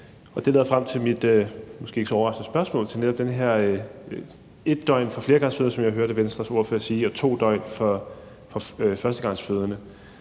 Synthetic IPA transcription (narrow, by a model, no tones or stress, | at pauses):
ʔɒ̽d̥e̝lḛðˠɐfʁam̰t͡sʰe̝lmid̥ømɒ̽sɡ̥e̝̰ːe̝ɡ̥sɒɒʊɐʁɑ̈sd̥n̩sb̥ɶɐsmɔ̰ːlt͡sʰe̝lned̥ɒ̽b̥̚d̥enəɦæɐ̰ | e̝d̥ːɒ̽ɪ̰nfɒfle̝ɐɡ̥ɑ̈ŋsføːðˠəsɒ̽mjaɪɦøɐɾəʋensd̥ʁɐso̝ɐ̰føɐsiːɒ̽t͡sʰo̝̰ːd̥ɒɪ̰nfɒ | fɒ̽fɶɐsd̥əɡ̥ɑ̈ŋ̰sføð̞ˠɐnə